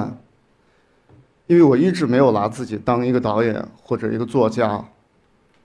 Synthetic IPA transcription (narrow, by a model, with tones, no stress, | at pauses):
n | i˥nwe˥˩ɪwɔ˨˩i˥˩ʈ͡ʂɻ̩˧˥me˧˥ɪjo˨˩ʊla˧˥t͡sɹ̩˥˩t͡ɕi˨˩t̪ɑ˥ŋi˧˥ɡə˧t̪ɑ˧˥ʊjɛ̰˨˩˦nxwɔ˥˩ʈ͡ʂɤ˨˩i˧˥ɡə˧t͡swɔ˥˧˩t͡ɕja˥